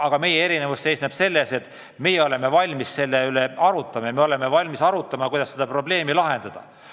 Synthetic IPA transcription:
ɑɡ̥ɑme̞jee̞ɾinevusse̞jsneb̥se̞lːe̞se̞t̪ːˑ | mejeo̞le̞me̞vɑlʲmisse̞lːeyleɑɾut̪ːˑɑmɑjɑmeo̞le̞mevɑlʲmisɑɾut̪ːˑɑmɑkujd̪̥ɑsːed̪̥ɑpro̞ble̞ːmilɑɦe̞nd̪̥ɑd̪̥ɑ̰

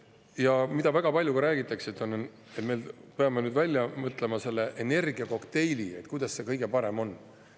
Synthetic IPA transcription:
jɑmid̪̥ɑvæɡ̥ɑpɑlʲjukɾæːɡ̥it̪ːˑɑksit̪ːˑo̞n | et̪me̞jlpeɑmenyːd̪vælʲjɑmɤt̪ˑle̞mɑse̞lːe̞ʔene̞rɡ̥iɑko̞kt̪e̞jlʲie̞t̪kujd̪ɑsse̞kɤjɡ̥e̞pɑɾe̞mo̞nː

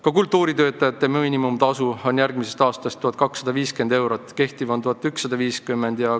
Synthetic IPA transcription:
kɑkult̪ːˑuːɾit̪ø̞ːt̪ːˑɑjɑt̪ːeminʲimumt̪ɑsuo̞njærɡ̥mise̞st̪ɑːst̪ɑst̪ːuhɑt̪̚kɑksːɑd̪̥ɑviːske̞nd̪e̞wɾot̪ːˑke̞ht̪ivo̞nt̪uɦɑt̪ːyksːɑd̪̥ɑviːskymːend̪̥jɑ

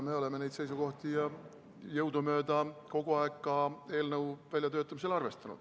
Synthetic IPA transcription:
meo̞leme̞nejt̪se̞jsuko̞ht̪ijɑ | jɤwd̪umø̞ːd̪̥ɑko̞ɡ̥uɑekkːɑe̞ːlnɤwvælʲjɑt̪øːt̪ˑːɑmis̬e̞lɑrve̞st̪ɑnṵd̪̥

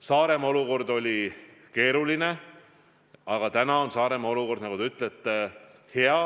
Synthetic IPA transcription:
sɑːɾe̞mɑo̞luko̞rd̪o̞lʲike̞ːɾuline̞ | ɑɡ̥ɑt̪ænɑo̞nsɑːɾe̞mɑo̞luko̞rd̪nɑkut̪eyt̪ːˑlet̪ːˑe | heɑ

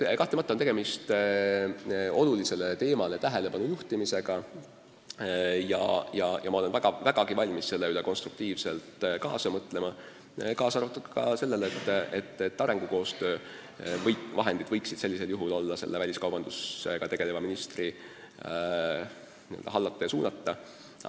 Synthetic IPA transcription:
kɑht̪emɑt̪ːˑɑont̪eɡ̥e̞mist̪ | o̞lulise̞let̪e̞ːmɑlet̪æɦele̞pɑnujuht̪imise̞ɡ̥ɑ | jɑ̰jɑjʔɑmɑo̞le̞nvæɡɑvæɡ̥ɑɡ̥ivɑlʲmisse̞lːeyleko̞nst̪ruk̚t̪iːvse̞lt̪kɑːsɑmɤt̪ːˑle̞mɑ | kɑːsɑrvɑt̪ːˑɑkɑkɑse̞lːelet̪ːˑet̪ːet̪ːɑɾe̞ŋɡ̥uko̞ːst̪ø̞ː | vɤjvɑɦe̞nd̪̥id̪̥vɤjksid̪̥se̞lʲːise̞ljuɦulo̞lːɑse̞̰lːevælʲiskɑwb̥ɑnd̪̥usḛɡ̥ɑt̪e̞ɡ̥e̞levɑminist̪ri | niø̰ld̪ɑɦɑlːɑt̪ˑːɑjɑsuːnɑt̪ːɑ

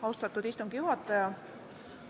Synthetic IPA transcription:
ɑuwst̪ɑt̪ːˑud̪̥ist̪uŋɡ̥ijuɦɑt̪ːˑɑjɑ

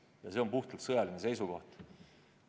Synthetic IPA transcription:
jɑse̞o̞mpuht̪ult̪sɤjɑline̞se̞jsuko̞ht̪

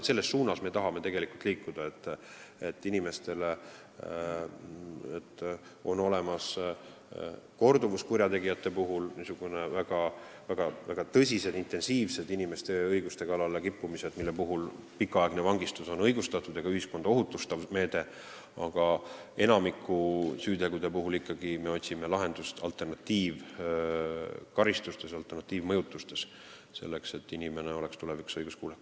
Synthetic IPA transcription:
t̪se̞lːe̞sːuːnɑsme̞ːt̪ɑɦɑme̞t̪e̞ɡe̞likult̪liːkːˑud̪̥ɑe̞t̪ːˑet̪ːinime̞st̪e̞le | et̪ː | o̞nːo̞le̞mɑs | ko̞rd̪uvuskurʲjɑt̪e̞ɡijɑt̪ːe̞puɦulniːsuɡ̥une̞væɡ̥ɑvæɡ̥ɑvæɡ̥ɑt̪ɤs̬ʲise̞d̪̥int̪e̞nsiːvse̞d̪inime̞st̪e̞ɤjɡ̥ust̪e̞kɑlɑle̞kipːumise̞d̪milːepuɦul | pikːˑɑɑˑeɡ̥ne̞vɑŋɡist̪uso̞nɤ̞jɡ̥ust̪ɑt̪ːˑud̪̥eɡ̥ɑyhisko̞nd̪ɑo̞ɦut̪ːˑust̪ɑvme̞ːd̪̥e̞ | ɑɡ̥ɑe̞nɑmikːˑusyːd̪ekud̪̥epuɦulikˑːɑɡ̥ime̞o̞t̪ʲsimelɑɦe̞nd̪̥ust̪ɑ̰lt̪ˑe̞rnɑt̪ːˑiːv | kɑɾist̪ust̪e̞sɑlt̪ːˑernɑt̪ːˑiːvmɤjut̪ːˑust̪e̞s | se̞̰lːe̞kse̞t̪ːinime̞neo̞lekst̪uleviksɤjɡ̥uskuːlek

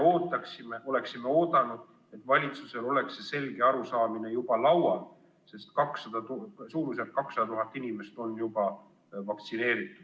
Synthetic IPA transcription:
oːt̪ːˑɑksimeʔo̞le̞ksime̞o̞ːd̪ɑnud̪̥ | e̞t̪ːˑvɑlʲit̪suse̞lo̞le̞ksese̞lɡ̥e̞ɑɾusɑːmine̞jub̥ɑlɑwɑl | se̞st̪kɑksɑd̪̥ɑt̪usuːɾus̬et̪̚kɑksɑd̪̥ɑt̪uɦɑt̪ːˑinime̞st̪o̞nːjubɑ | vɑk̚t̪sine̞ːɾit̪ːˑud̪̥

